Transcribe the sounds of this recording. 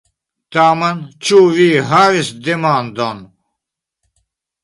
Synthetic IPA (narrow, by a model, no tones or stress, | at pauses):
t̪aːmɐnt͡ɕʰuːʋiːɦaːɾisd̪emaːnd̪on